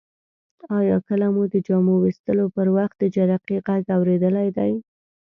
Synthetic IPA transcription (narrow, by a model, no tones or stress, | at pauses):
ɑjɑkəlamud̪əd͡ʒɑmowist̪əlopəɾwaxt̪̚d̪əd͡ʒaɾaqiɣaɡawɾed̪əlajd̪aj